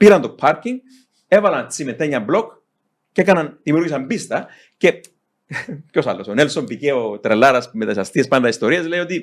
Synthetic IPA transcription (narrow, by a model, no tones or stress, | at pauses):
piɾɐnt̪o̞pʰːɐɾkiŋɡ | e̞vɐlɐnt͡simet̪ːeɲːɐmblo̞k | cekɐnɐnðimiuɾɣisɐmbist̪ɐ | ce̞ | co̞sa̰lːo̞sonelso̞mpiceot̪ɾelːaɾɐsmet̪ɐisɐst̪iespɐnd̪ɐist̪o̞ɾiɐsle̞jot̪i